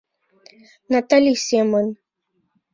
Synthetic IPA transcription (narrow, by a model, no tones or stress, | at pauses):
nat̪alʲisemən